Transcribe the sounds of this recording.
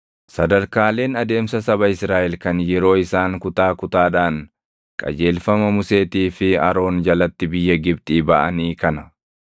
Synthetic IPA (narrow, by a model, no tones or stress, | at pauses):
sɐd̪ɐɾkaːle̞ːnɐd̪e̞ːmsɐsɐbɐɪsɾaːʔɛlkɐnjɛɾo̞ːɪsaːŋkʊt̪aːkʊt̪aːᶑaːŋ | kʼɐ̰d͡ʒe̞ːlfɐmɐmʊse̞ːt̪iːfɪɐɾo̞ːnd͡ʒɐlɐt̪ːɪbɪjːɐɡɪbt̪ʼiːbɐʔɐniːkɐnɐ